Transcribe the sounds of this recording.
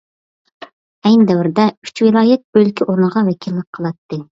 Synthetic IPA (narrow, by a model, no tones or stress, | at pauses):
ɛjnd̪ɛwɪɾd̪ɛy̥t͡ʃwɨlˠɑːjɛt̪̚bølkʲʰiʔoɾnəʁɑwɛkʲʰilːɪk̚ʲqʰəlˠɑt̪ːɨ